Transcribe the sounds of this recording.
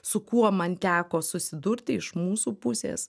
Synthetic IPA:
sʊkuɔmɐnt̪ʲæːkoːsʊsʲɪd̪ʊɾʲt̪ʲɪɪʃmuːsuːpʊsʲḛːs

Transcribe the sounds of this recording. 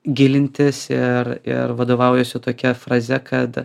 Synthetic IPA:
ɡʲɪlʲɪnʲt̪ʲɪsɪɾɪ̰ɾʋɐd̪oːʋɐʊjɛsʲʊt̪oːkʲɛfɾɐzʲɛkʰɐt̪

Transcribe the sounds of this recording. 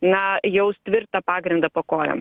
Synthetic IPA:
nɐjɛʊsʲt̪ʲʋʲɪrt̪ɐpɑːɡɾʲɪnd̪ɐpɐkoːjʲo̰ːm

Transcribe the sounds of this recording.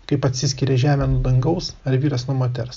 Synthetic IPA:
kɐɪpɐt̪ʲsʲɪsʲkʲɪɾʲɛʒʲæːmʲɛnud̪ɐŋɡɐʊsɐɾʋʲiːɾɐsnumoːt̪ʲɛɾs

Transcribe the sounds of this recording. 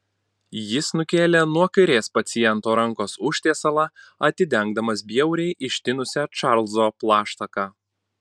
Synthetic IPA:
jɪsnʊkʲeːlʲenuɔkɐɪɾʲeːspɐt̪sʲɪjɛnt̪oːɾɐŋkoːsʊʃʲt̪ʲeːsɐlˠɑɐt̪ʲɪd̪ʲɛŋɡd̪ɐmɐsbʲiɛʊɾʲɛɪʔɪʃʲt̪ʲɪnʊsʲɛt͡ʃɑɾlˠzoːplˠɑːʃt̪ɐkɑː

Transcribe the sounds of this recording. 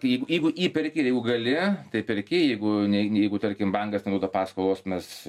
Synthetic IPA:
kjɛɪɡʊjɛɪɡʊʔiːpʲɛɾʲkʲɪjɛɪɡʊɡɐlʲɪt̪ɐɪpʲɛɾʲkʲɪjɛɪɡʊnʲɛnʲjɛɪɡʊt̪ɐɾʲkʲɪmbɐŋɡɐst̪nɛd̪oːd̪ɐpɑːskolˠoːsmʲɛs

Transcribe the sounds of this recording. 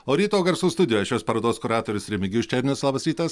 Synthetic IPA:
oːɾʲiːt̪oːɡɐɾsuːst̪ʊd̪ʲɪjoːjɛʃʲoːspɐɾɐːd̪oːskʊɾɑːt̪oːɾʲʊsɾʲɛmʲɪɡʲʊʃʲt͡ʃʲɛɾʲɪnʲʊslˠɑːbɐsʲɾʲiːt̪ɐs

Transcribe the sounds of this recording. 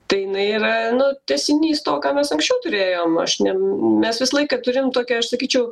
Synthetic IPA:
t̪ɐɪjɪnɐɪiːɾɐnʊt̪ʲɛsʲɪnʲiːst̪oːkɑːmʲɛsɐŋksʲt͡ʃʲɛʊt̪ʊɾʲeːjoːmɐ̰ʃnʲɛmʲɛsʋʲɪsɐlˠɐɪkɐt̪ʊɾʲɪmt̪oːkʲɛɐʃsɐkʲiːt͡ʃʲɛʊ

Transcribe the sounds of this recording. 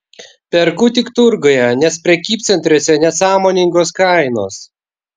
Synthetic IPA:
pʲɛɾkʊt̪ʲɪkt̪ʊɾɡoːjɛnʲɛspʲɾʲɛkʲiːp̪̚ʲsʲɛnʲt̪ʲɾʲoːsʲɛnʲɛsɑːmoːnʲɪŋɡoːskɑˑɪno̰ːs

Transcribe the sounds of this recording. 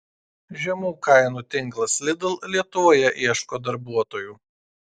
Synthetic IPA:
ʒʲɛmuːkɐɪnuːt̪ʲɪŋˑklˠɐslʲɪd̪ɐlˠlʲiɛt̪ʊʋoːjɛʔiɛʃkoːd̪ɐɾbuɔt̪oːjuː

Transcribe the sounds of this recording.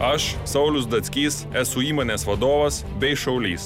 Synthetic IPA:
ɐʃsɐʊlʲʊsd̪ɐt̪sʲkʲiːsɛsʊiːmoːnʲeːsʋɐd̪oːʋɐs | bʲɛɪʃɐʊlʲiːs

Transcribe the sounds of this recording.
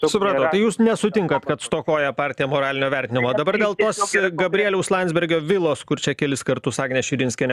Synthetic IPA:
sʊpɾɑːt̪ɐːt̪ɐɪjuːsnʲɛsʊt̪ʲɪŋkɐt̪kɐt̪st̪oːkoːjɛpɑːɾʲt̪ʲɪjɛmoːɾɑːlʲɪnʲoːʋʲɛɾʲt̪ʲɪnʲɪmoːd̪ɐbɐɾd̪ʲeːlˠt̪oːsɡɐbʲɾʲɪiɛlʲɛʊslˠɐnʲzʲbʲɛɾʲɡʲoːʋʲɪlˠoːskʊɾt͡ʃʲɛkʲɛlʲɪskɐɾt̪ʊsɑːɡʲnʲɛːʃʲɪɾʲɪnʲsʲkʲɛnʲ

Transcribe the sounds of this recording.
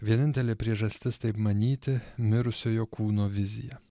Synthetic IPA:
ʋʲiɛnʲɪnʲt̪ʲɛlʲepʲɾʲiɛʒɐsʲt̪ʲɪst̪ɐɪpmɐnʲiːt̪ʲɪmʲɪɾʊsʲoːjoːkuːnoːʋʲɪzʲɪjɛ

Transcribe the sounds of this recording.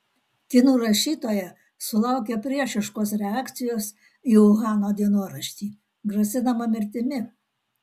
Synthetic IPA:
t̪ʲinuːɾɐʃʲiːt̪oːjɛ | sʊlˠɑˑʊk̬ʲɛpʲɾʲiɛʃʲɪʃkoːsɾʲɛɑːkt̪sʲɪjoːs | iːʊɣɑːnoːd̪ʲiɛnuɔɾɐʃʲt̪ʲiː | ɡɾɐsʲɪnɐmɐmʲɪɾʲt̪ʲɪmʲɪ

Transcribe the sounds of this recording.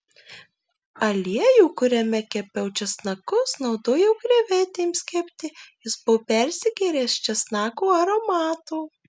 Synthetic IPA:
ɐlʲiɛjuːkʊɾʲɛmʲɛkʲɛpʲɛʊt͡ʃʲɛsnɐkʊsnɒʊd̪oːjɛʊɡɾʲɛʋʲɛːt̪ʲeːmsʲkʲɛpʲt̪ʲɪjɪsbʊpʲɛɾʲsʲɪɡʲɛɾʲeːst͡ʃʲɛsnɑːkuːɐɾoːmɑːt̪uː

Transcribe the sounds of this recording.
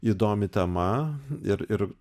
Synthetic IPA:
iːd̪oːmʲɪt̪ʲɛmɐɪɾɪɾ

